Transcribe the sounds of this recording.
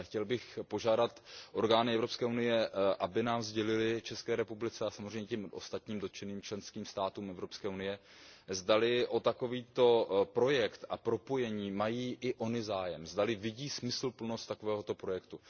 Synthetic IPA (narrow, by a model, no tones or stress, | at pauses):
xcɛlbɪxpo̞ʒaːdat̪ʔo̞ɾɡaːnɪɛvɾo̞pskɛːunɪjɛʔabɪnaːmzɟɛlɪlɪt͡ʃɛskɛːɾɛpublɪt͡sɛasamozr̝ɛjɲɛcɛmʔo̞̰st̪at̪ɲiːmdo̞t̪t͡ʃɛniːmt͡ʃlɛnskiːmst̪aːt̪uːmʔɛvɾo̞pskɛːunɪjɛ | zdalɪʔo̞t̪ako̞viːt̪o̞pɾo̞jɛkt̪a̰pɾo̞po̞jɛɲiːmajiːʔɪʔo̞nɪzaːjɛmzdalɪvɪɟiːsmɪsl̩pl̩no̞st̪ako̞vɛːɦo̞t̪o̞pɾo̞jɛkt̪u